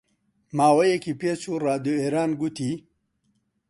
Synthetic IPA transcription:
maːwɐjekipesuɾaːd̪ueɾaːnɡut̪i

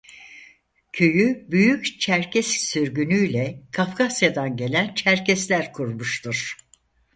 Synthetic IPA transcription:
cʰø̞jybyjyct͡ʃʰæɾcʰɛssyɾɟynyjlʲɛkʰafkʰasjad̪anɟe̞lʲænt͡ʃʰæɾcɛslʲæɾkʰuɾmuʃt̪ʰuɾ̥

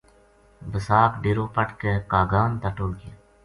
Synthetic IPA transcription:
bəsaːkɖiːɾoːpəʈʰkeːkaːɡaːnt̪əʈoːlɡe

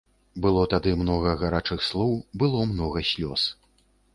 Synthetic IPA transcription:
bɨlˠɔt̪ad̪ɨmnɔɣɐɣaɾat͡ʂɨxslˠɔwbɨlˠɔmnɔɣɐsʲlʲɔs

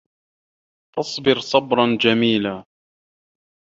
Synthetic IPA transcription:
t̪ɑsˤbɪɾsˤɑbɾˤɑnd͡ʒamiːlaː

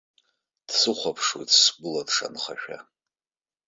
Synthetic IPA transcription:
d̥sɨχʷapʰʂwo̰jtʰsɡʊladʂa̰nχaʃᶣa̰

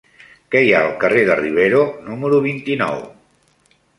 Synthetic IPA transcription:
kɛjaəlˠkəreðəriβ̞eɾonuməɾuβ̞int̪inɔ̰w

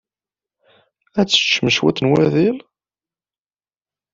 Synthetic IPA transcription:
æt͡sːə̥t͡ʃːməʃwæ̰t̪ːənwæðil

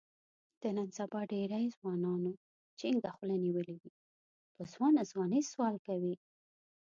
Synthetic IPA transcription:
d̪̥ənansabɑɖeɾajzwɑnɑno | t͡ʃeɪŋɡaxulaniwəliwi | pəzwɑnazwɑnəjswɑlkawi

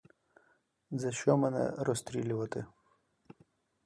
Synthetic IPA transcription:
zɐʃt͡ʃɔmɛnɛ̰ɾɔst̪ɾʲilʲʊʋɐt̪ɪ

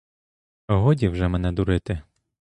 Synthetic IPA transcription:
ɔɦɔdʲiwʒɛmɛnɛd̪ʊɾɪt̪ɪ

